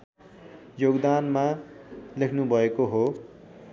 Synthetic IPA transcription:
joɡd̪anmalekʰnubʱʌekoɦo

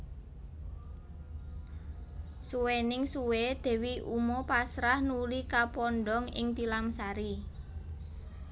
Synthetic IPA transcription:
suwenɪŋsuwed̪̥e̤wiʔumɔpasɾahnulikapɔnɖɔŋɪ̰ŋt̪ilamsaɾi

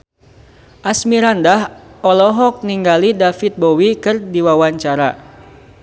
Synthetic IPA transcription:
ʔasmiɾandahɔlɔɦɔk̚niŋɡalidafit̪̚bowikɨrdiwawaɲt͡ʃaɾa̰

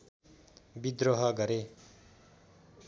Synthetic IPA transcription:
bid̪ɾoɦʌɡʌɾe

